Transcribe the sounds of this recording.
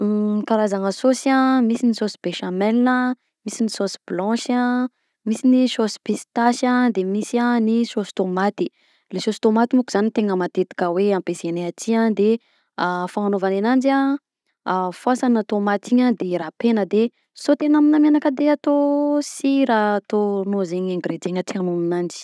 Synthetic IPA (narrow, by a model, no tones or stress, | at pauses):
kaɾazaŋəsosiamisinisosi̥b̥eʃamɛlinə | misinisosi̥blɔ̃ʃa | misinisosi̥pesi̥t̪aʃad̪emisianisosi̥t̪omat̪i | lesosi̥t̪omat̪imukuz̥anit̪eŋəmat̪et̪i̥kʲəweãmpezeneatiad̪e | afaɦanovanenand͡ʒia | fuasanat̪omat̪iɲad̪eɾapenəd̪e | sot̪enaminamenakəd̪eat̪osiɾat̪onozeɲẽŋɡɾed͡ʒ̪eŋatianuminand͡ʒi̥